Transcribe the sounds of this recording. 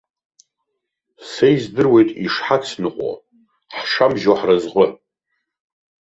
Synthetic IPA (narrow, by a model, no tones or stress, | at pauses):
sejzdɨrwe̞jtʼiʂħakʰʼsnɨqʷʼo̰ | ħʂamʒoħrɨzʁʷə